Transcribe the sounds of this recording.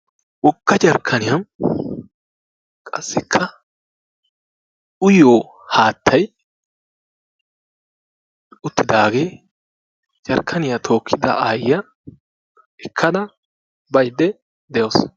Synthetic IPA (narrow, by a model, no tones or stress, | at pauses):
wɔkːɐd͡ʒɐɾkʰːɐnɪjɐm | kʼɐ̰sːɪkʰːɐ | ʊjoː | haːt̪ːɐj | ʊt̪ːɪd̪aːɡe̞ː | d͡ʒɐɾkʰːɐnɪjɐt̪ʰo̞ːkʰːɪd̪ɐ̰ʔaːjːɐ | ɛkʰːɐd̪ɐ | bɐjd̪ːɛ | d̪ɛjoːs